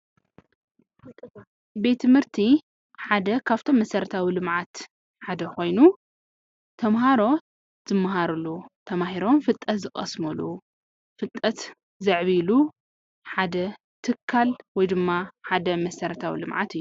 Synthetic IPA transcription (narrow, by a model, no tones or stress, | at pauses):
be̞t̪ʰːɨmhɨɾt̪ʰi | ħad̪ɐkʰaβt̪ʰo̞mːɐsɐɾɐt̪ʰawilɨmʕat̪ | ħad̪ɐko̞jnu | t̪ʰɐmɦaɾo̞ | z̥ɨmːɐɦaɾulut̪ʰɐmahiɾomfɨt̪ʼːɐt̪zɨxʼɐ̰smulu | fɨt̪ʼːɐt̪ | zɐʕβilu | ħad̪ɐ | t̪ʰɨkʰːalwɔjd̪ɨmːaħad̪ɐmɐsɐɾɐt̪ʰawḭlɨmʕa̰t̪ɨjːu